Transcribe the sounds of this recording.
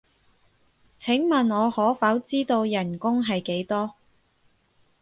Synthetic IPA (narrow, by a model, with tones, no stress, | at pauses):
t͡sʰɪ˨˥ŋmɐ˨˩nɔː˨˧hɔː˨˥fɐ˨˥wt͡siː˥t̪o˧wjɐ˨˩nkʊ˥ŋɦɐ˨jke˨˥jt̪ɔː˥